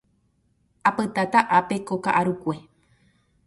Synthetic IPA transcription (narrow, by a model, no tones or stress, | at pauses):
apɨt̪at̪aʔape̞koka̰ʔaɾukʷe̞